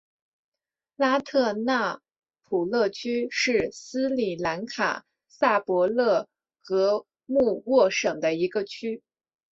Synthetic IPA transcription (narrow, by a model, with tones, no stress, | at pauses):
la˥t̪ʰɤ˥˧na˥˩ | pʰu˨˩lɤ˥˩t͡ɕʰy˥ʂɻ̩˥˩sɹ̩˥li˨˩la˧˥nkʰa̰˨˩ | sa˥˩pwɔ˧˥lɤ˥˩ | kɤ˧˥ | mu˥˧wɔ˥˩ʂɤ˨˩ŋd̪ə˦i˧˥ɡə˧t͡ɕʰy˥